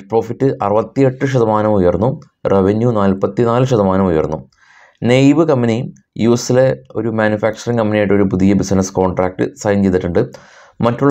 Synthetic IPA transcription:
pro̞ːfitːɨʔɐrɨʋɐt̪ːije̞ʈːɨɕɐðɐmaːnɐmujɐrnːu | reʋenjunaːlpɐt̪ːinaːlɨɕɐðɐmaːnɐmujɐ̰rnːu | nejʋɨkɐmːɐni | juːsile̞o̞ɾumaːnjufaːk̚t͡ɕɐriŋkɐmːɐnijajʈːoɾupuðijɐbisɐnɐsko̞ːɳɖraːk̚ʈɨ̰sɐːjɐnt͡ɕejðiʈːuɳɖɨ | mɐtːuɭː

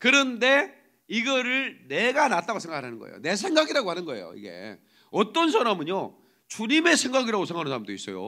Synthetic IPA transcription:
kɯɾʌnde̞ | iɡʌɾɯɭne̞ɡanat͈aɡasʰe̞ŋɡakɯɭɦanɯnɡʌḛjo̰ne̞s̬ʰe̞ŋɡaɡiɾaɡohanɯnɡʌḛjo̰ḭɡe̞̰ | ʌt͈ʌnsʰaɾamɯɲjo | t͡ɕuɲime̞sʰe̞ŋɡaɡiɾaɡosʰeŋɦanɯnsʰaɾamdois͈ʌjo̰

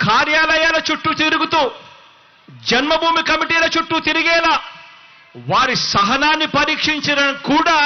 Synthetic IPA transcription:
kʰaːɾjaːlɐjaːlɐt͡ʃuʈːut̪iɾuɡut̪uː | d͡ʒɐnmɐbʱuːmikɐmiʈiːlɐt͡ʃuʈːut̪iɾiɡɛːlaː | ʋaːɾisɐɦɐnaːnːipɐɾiːkʂiɲt͡ʃɐɾɐnkuːɽaː

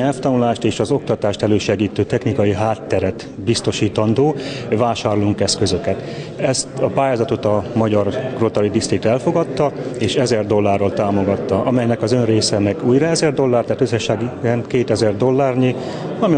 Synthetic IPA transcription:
ɛlft̪ɒnulaːʃt̪eːʃɒzo̞k̚t̪ɒt̪aːʃt̪ɛløːʃɛɡiːt̪øːt̪ɛxnikɒjiɦaːt̪ːɛɾɛt̪ | bist̪o̞ʃiːt̪ɒnd̪oːvaːʃaːroluŋkɛskø̞zø̞kɛt̪ | ɛst̪ɒpaːjaːzɒt̪o̞t̪ɒmɒɟɒrɡ̥ro̞t̪ɒlid̪ist̪ik̚t̪ɛlfo̞ɡɒt̪ːɒeːʃɛzɛrd̪o̞lːaːrːolt̪aːmo̞ɡɒt̪ːɒʔɒmɛjnɛkɒzø̞nreːsɛnɛkuːjrɒɛzɛrd̪o̞lːaːrt̪aːt̪øzɛʃaːɡɛnkeːt̪ɛzɛrd̪o̞lːaːrne | ɒmi

